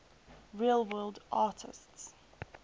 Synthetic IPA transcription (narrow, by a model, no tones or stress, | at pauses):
ɹelˠwɜːlˠdʔaːtʰɪ̰sts